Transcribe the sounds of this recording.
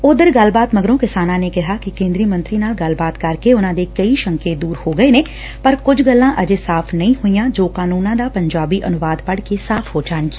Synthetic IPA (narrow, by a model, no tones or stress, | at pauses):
ʊd̪əɾɡəlbaːt̪məɡɾõːkɪsaːnãːneːkɪɦaːkɪkẽːnd̪ɾiːmə̃nt̪ɾiːnaːlɡəlbaːt̪kɐɾkeʊnãːd̪eːkəiʃə̃ŋkeːd̪uːɾhoːɡəeːneː | pəɾkʊd͡ʒɡəlːãːʔəd͡ʒesaːpʰnəĩːhʊijãːd͡ʒoːkaːnuːnãːd̪aːpəɲd͡ʒaːbiːʔənʊʋaːd̪pəɽkesaːpʰɦoːd͡ʒaːnɡi